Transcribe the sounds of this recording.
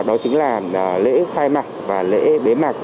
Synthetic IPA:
ɗɔ˨˦t͡ɕɨ˨˦ŋlaː˨˩˨lḛ˧˥xaː˧jmaː˨˩k̚vaː˨˩lḛ˧˥ɓe˨˦maː˨˩k̚

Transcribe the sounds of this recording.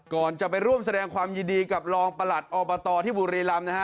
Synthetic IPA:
kɔː˨˩nt͡ɕa˨˩pa˧jɾu˥˩əms̬a˧dɛː˧ŋkʰwaː˧mjiː˧ndiː˧ka˨˩p̚lɔː˧ŋpa˧la˨˩t̪̚ʔɔː˧bɔ˧t̪ɔː˧t̪ʰiː˥˩buː˨˩ɾiː˧la˧mna˦˥kʰa˦˥

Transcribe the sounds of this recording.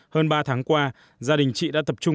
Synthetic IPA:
həː˧nɓaː˧t̪ʰaː˨˦ŋkwaː˧ | zaː˧ɗï˨˩ŋ̟t͡ɕḭ˧˨ɗa̰ː˧˥t̪ə˨˩p̚t͡ɕʊ˧ŋ͡m

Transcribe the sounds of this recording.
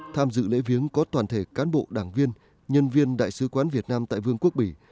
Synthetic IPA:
t̪ʰaː˧mzɨ̰˧˨lḛ˧˥vi˨˦əŋkɔ˨˦t̪waː˨˩nt̪ʰe˧˩kaː˨˦nɓo̰˧˨ɗaː˧˩ŋvi˧ən | ɲə˧nvi˧ənɗa̰ː˧˨jsɨ˨˦kwaː˨˦nvi˨˩ət̚naː˧mt̪a̰ː˧˨jvɨ˧əŋku˦˥k̚ɓi˧˩

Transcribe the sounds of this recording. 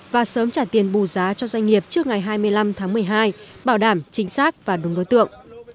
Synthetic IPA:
vaː˨˩səː˨˦mt͡ɕaː˧˩t̪i˨˩ənɓu˨˩zaː˨˦t͡ɕɔ˧zwa˧jŋ̟ŋi˨˩əp̚t͡ɕɨ˦˥ək̚ŋa˨˩jɦaː˧jmɨ˧əjla˧mt̪ʰaː˨˦ŋmɨ˨˩əjɦaː˧jɓaː˧˩wɗaː˧˩mt͡ɕï˨˦ŋ̟saː˦˥k̚vaː˨˩ɗʊ˨˦ŋ͡mɗo˨˦jt̪ɨ̰˧˨əŋ

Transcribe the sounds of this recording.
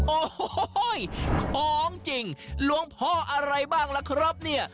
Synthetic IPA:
ʔoː˧˩jkʰɔː˨˦ŋt͡ɕi˧ŋlu˧˦əŋpʰɔː˧˩ʔa˧ɾa˧jbaː˥˩ŋlɛ˧kʰɾo˦˥p̚ni˥˩ɐʔ

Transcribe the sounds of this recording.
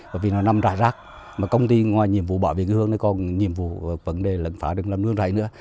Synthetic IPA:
va̰ː˧˩jvi˨˩nɔ˨˦na˧mza̰ː˧˨jzaː˦˥k̚ | maː˨˩kə˧wŋ͡mt̪i˧ŋwaː˨˩jɲi˨˩əmvṵ˧˨˩ɓaː˧˨wvḛ˨˩kːhɨ˧əŋnə˨˦kɔ˨˩nɲi˨˩əmvṵ˧˨˩və̰˨˦nɗe˨˩lə̰˧˨nfaː˨˦ɗɨ˨˩ək̚laː˨˩mnɨ̰˧əŋza̰ː˧˨jnɨ̰˧˥ə

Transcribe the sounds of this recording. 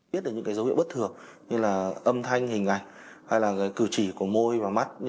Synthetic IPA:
t̚ɗəː˧˩ɲɨ̰˧˥ŋkːjzə˨˦wḭ˧˨ɓt̪ʰɨ˨˩əŋɲɨ˧laː˨˩ʔə˧mt̪ʰa˧jŋ̟hï˨˩ŋ̟ʔa˨˩jŋ̟ha˧jlaː˨˩kaː˨˦jkɨ˧˩t͡ɕi˧˩ku˧˩əmo˧jvaː˨˩ma˦˥t̚

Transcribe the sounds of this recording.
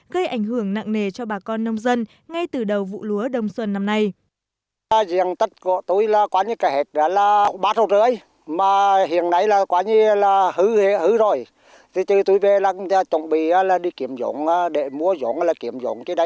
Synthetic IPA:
ɣə˧jʔa˧˩jŋ̟ɦɨ˧˩əŋna̰ː˧˨ŋne˨˩t͡ɕɔ˧ɓaː˨˩kɔ˧nːə˧wŋ͡mzə˧n | ŋa˧jt̪ɨ˨˩ɗə˨˩wvṵ˧˨lu˨˦əɗə˨˩wŋ͡mswə˨˩nːa˧mna˧j | zi˧˨əŋt̪ə˦˥t̚kṵ˧˨ə˨t̪u˧˩jlaː˨˩kwaː˨˦ɲi˧kaː˨˦jhe˨˩t̚ɗaː˨˦laː˨˩˨ɓaː˨˦˥t̚ho˨˩t̚zə˧˦ə˦j | maː˨˩ɦḭ˧˨ənna˨˧˦jlaː˨˩kwaː˨˦ɲi˧laː˨˩hɨ˨˦he˧hɨ˨˦zo˨˩j | t̪ʰi˨˩t̪ɨ˨˩t̪u˧jve˨˩laː˨˩˧t͡ɕo̰˧˨wŋ͡mɓi˧˨˩aː˧˦laː˨˩ɗi˧ki˧˩˦əmzo̰˧˨˦ŋaː˧ɗe˧˩˨mu˧əzo̰˨˦ŋlaː˨˩ki˧˩əmzo̰˨˦ŋt͡ɕi˧˦ɗə˧˦j

